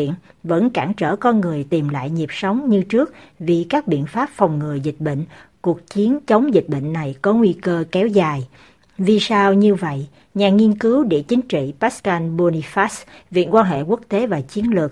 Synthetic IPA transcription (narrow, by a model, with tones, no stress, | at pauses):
ḭ˧˨ənvə̰˧˥nkaː˧˩ŋt͡ɕə̰ː˧˩kɔ˧nŋɨ˨˩əjt̪i˨˩mla̰ː˧˨jɲi˨˩əp̚sə˨˦wŋ͡mɲɨ˧t͡ɕɨ˦˥ək̚vi˨˩kaː˦˥k̚ɓḭ˧˨ənfaː˦˥p̚fa˨˩wŋ͡mŋɨ˨˩əjzï˨˩k̟̚ɓə̰˧˨ŋ̟ku˨˩ək̚t͡ɕi˨˦ənt͡ɕə˨˦wŋ͡mzi˨˩k̟̚ɓə̰˧˨ŋ̟na˨˩jkɔ˨˦ŋwi˧kəː˧kɛ˨˦wzaː˨˩j | vi˨˩saː˧wɲɨ˧və̰˧˨jʔ | ɲaː˨˩ŋi˧ənkɨ˨˦wɗe˧˩t͡ɕï˨˦ŋ̟t͡ɕḭ˧˨paː˦˥kaː˧nɓo˧ni˧faː˦˥svḭ˧˨ənkwaː˧nɦḛ˧˨ku˦˥ək̚t̪e˨˦vaː˨˩t͡ɕi˨˦ənlɨ˨˩ək̚